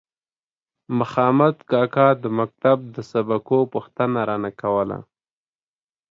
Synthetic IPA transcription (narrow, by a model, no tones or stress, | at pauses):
maxɑmad̪kɑkɑd̪əmak̚t̪ab̚d̪əsabakopuxt̪ənaɾɑnakawəla̰